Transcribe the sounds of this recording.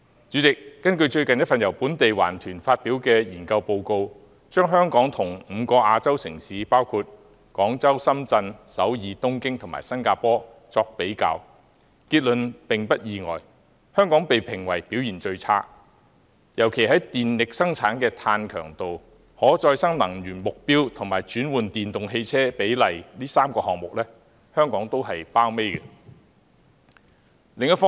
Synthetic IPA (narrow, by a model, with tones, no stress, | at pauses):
t͡ʃy˨˥t͡sɪ˨kːɐ˥nkɵ˧ɥt͡ʃɵ˧ɥkɐ˨njɐ˥t̚fɐ˨njɐ˨˩wpuː˨˥nt̪e˨jwa̰ː˨˩nt̪ʰyː˨˩nfaː˧t̚piː˨˥wkɛː˧jiː˨˩nkɐ˧wpo˧wko˧w | t͡ʃœː˥ŋɦœː˥ŋkɔː˨˥ŋt̪ʰʊ˨˩ŋm̩ː˨˧kɔː˧ʔaː˧t͡sɐ˥wsɪ˨˩ŋsiː˨˥paː˥wkʰuː˧t̚ | kɔː˨˥ŋt͡sɐ˥wsɐ˥mt͡sɐ˧nsɐ̰˨˥wjiː˨˧t̪ʊ˥ŋkɪ˥ŋt̪ʰʊ˨˩ma̰˨˩jsɐ˥nkaː˧pɔː˥ | t͡sɔː˧k̚pe˨˥jka̰ː˨˧˥w | kiː˧t̚lɵ˨npɪ˨ŋpɐ˥t̚jiː˨˧ŋɔ̰ː˨j | hœː˥ŋkɔː˨˥ŋpe˨jpʰɪ˨˩ŋwɐ˨˩jpi˨˥wjiː˨˩nt͡ʃɵ˧ɥt͡sʰa̰ː˥ | jɐ˨˩wkʰe˨˩jɦɐ˨˥jt̪iː˨nlɪ˨k̚sɐ˥ŋt͡sʰaː˨˥nkɛː˧t̪ʰaː˧nkʰœː˨˩ŋt̪o˨w | hɔː˨˥t͡sɔː˧jsɐ˥ŋnɐ˨˩ŋjyː˨˩nmʊ˨k̚piː˥wt̪ʰʊ˨˩ŋmaː˨˩jt͡ʃyː˨˥nwuː˨nt̪iː˨nt̪ʊ˨ŋɦe˧jt͡sʰɛː˥pe˨˥jlɐ˨˩jliː˥saː˥mkɔː˧hɔː˨ŋ̚mʊ˨k̚lɛː˥ | hœː˥ŋkɔː˨˥ŋt̪o˥wɦɐ˨jpaː˥wme˥jkɛ˧ | lɪ˨ŋjɐ˥t̚fɔ˥